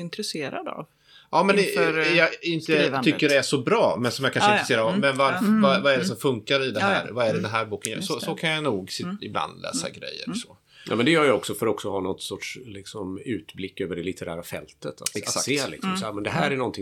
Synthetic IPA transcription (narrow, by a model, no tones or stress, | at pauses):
ɪnt̪ɾɛseːɾad̪a̰v | ʔɑːmɛnjɑɪnt̪əʏːəɖɛæʂɔbɾɑːmɛnsɔmjakʰanʂɪɾseːɾaɔmɛnvaɾfvavaɛɖɛsɔmfɵŋkaɾɪd̪ɛhæːɾvaæɖɛd̪ɛnɦæːɾbuːkənjɑ̰sɔsɔkʰanjanuːɡsɪɪbla̰nd̪lɛ̰ːsa̰ɡɾɛ̰jːə̰ɾsɔ̥ | ja̰ːmɛnd̪ɛjœːɾjaɔksɔfœɾɔksɔhɑːnɔt̪sɔʈʂlɪksɔmʉ̟ːt̪blɪkːøːvəɖɛlɪt̪ʰəɾæ̰ːɾafɛ̰lt̪ət̪ʰat̪seːlɪ̰ksɔmsːmɛnd̪ɛɦæːɾæɳɔnt̪ʰɪ